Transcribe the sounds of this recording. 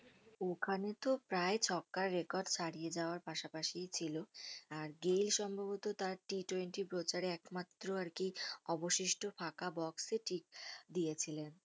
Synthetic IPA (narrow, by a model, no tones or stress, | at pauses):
okʰanet̪opɾaet͡ɕʰɔkːaɾːekɔɾɖt͡ɕʰaɽijed͡ʑaoaɾpaʃapaʃijt͡ɕʰiloaɾɡejlʃɔmbʱabot̪ot̪aɾʈiʈɔjnʈipɾot͡ɕaɾeɛkmat̪ːɾoaɾkiɔboʃiʃʈofakabɔkseʈʰik̚d̪ijet͡ɕʰilen